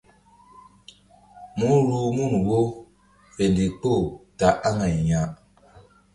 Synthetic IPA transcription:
mu˨˦ɾo˨mu˦˨n˨wo˦ | fe˨ndi˨k͡po˦˨ta˨ʔa˦ŋa˨i˨ɲã˦

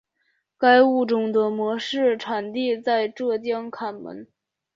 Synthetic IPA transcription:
ka˥ɪu˥˩ʈ͡ʂʊ˨˩ŋd̪ə˦mwɔ˧˥ʂɻ̩˥˩ʈ͡ʂʰa˨˩nt̪i˥˧t͡sa˥˧ɪʈ͡ʂɤ˥˧t͡ɕ̪jɑ˥ŋkʰa˨˩nmə̰˧˥n

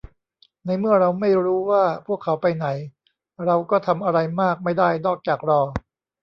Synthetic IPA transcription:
na˧jmɯ˥˩ɐɾa˧wma˥˩jɾuː˦˥waː˥˩pʰu˥˩əkʰːa˩˦wpa˧jna˩˦j | ɾa˧wkɔː˥˩t̪ʰa˧mʔa˧ɾa˧jmaː˥˩k̚ma˥˩jdaː˥˩jnɔː˥˩k̚t͡ɕaː˨˩k̚ɾɔː˧

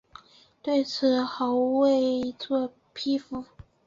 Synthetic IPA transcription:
t̪we˥˩ɪt͡sʰɹ̩˨˩xɑ˧˥ʊwe˥˩ɪt͡swɔ˥˧ | pʰi˥fu˧˩˦

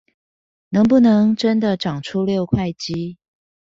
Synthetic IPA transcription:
nɤ˧˥ŋp̬u˥˩nɤ˧˥ŋʈ͡ʂə˥nd̪ə˨ʈ͡ʂɑ˨˩ŋʈ͡ʂʰu˦ljo˥˧ʊkʰwa˥˩ɪt͡ɕi˦

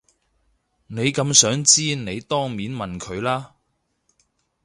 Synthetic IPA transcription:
ne˨˧jkɐ˨˧msœː˨˥ŋt͡siː˥ne˨˧jt̪ɔː˥ŋmiː˨˥nmɐ˨nkʰɵ˨˧ɥlaː˥

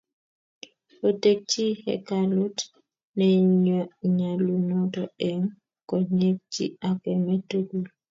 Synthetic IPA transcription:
o˨te˦k̚t͡ʃi˦hɛ̰˨kalu˦t | nɛ˨ɲɔ˨ɲa˨lu˨nɔ˦tɔ˦ɛ˨ŋ | kɔ˨ɲe˦k̚t͡ʃḭ˦a˨kɛ˨mɛ˦tu˦ɡu˨l

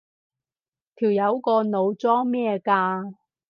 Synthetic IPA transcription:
t̪ʰiː˨˩wjɐ˨˧wkɔː˧no˨˧wt͡sɔː˥ŋmɛː˥˧kaː˧

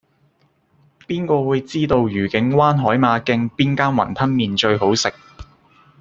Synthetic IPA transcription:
piː˥nkɔː˧wuː˨˧jt͡siː˥t̪o˧wjyː˨˩kɪ˨˥ŋwaː˥nɦɔː˨˥jmaː˨˧kɪ˧ŋpiː˥nkaː˥nwɐ̰˨˩nt̪ʰɐ˥nmiː˨nt͡ʃɵ˧ɥɦo˨˥wsɪ˨k̚

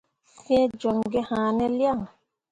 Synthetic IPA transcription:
fɛ̃˦d͡ʒɔ˨ŋɡɛ˦hãː˨nɛ˦lja˦˨ŋ

